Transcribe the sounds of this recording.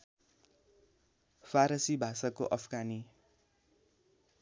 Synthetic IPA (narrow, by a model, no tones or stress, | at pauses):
pʰaɾʌsibʱasakoʔʌpʰɡani